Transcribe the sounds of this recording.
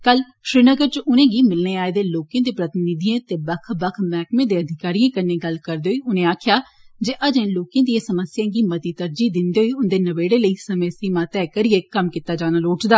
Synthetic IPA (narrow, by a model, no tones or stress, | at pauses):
kəl | ʃɾiːnəɡəɾt͡ʃʔʊnẽːɡiːmɪlneːaːeːd̪eːloːkẽːd̪eːpɾət̪ɪnɪd̪ijãːt̪eːbəkʰbəkʰmɛːkmẽːd̪eːəd̪ʱɪkaːɾijãːkənːẽːɡəlkəɾd̪eːɦoiːʊnẽːaːkʰɪjaːd͡ʒeːʔəd͡ʒẽːloːkẽːd̪iãːsəməsjãːɡiːmət̪iːt̪əɾd͡ʒiːd̪ɪnd̪eːɦoiːʊnd̪eːnəʋeːɽeːləiːsəməːsiːmãːt̪ɛːkəɾɪeːkəmkit̪aːd͡ʒaːnəloːʈd̪aː